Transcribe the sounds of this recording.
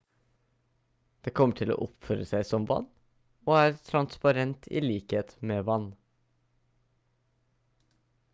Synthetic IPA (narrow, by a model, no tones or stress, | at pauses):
d̪̥eːkʰɔmːəʈʰɪlo̰ːʔɔpføːɾəsæɪsɔmʋɑ̰n | oːæːɾt̪ʰɾɑnspɑɾɛnt̪ʰḭliːkheːt̪meːʋɑn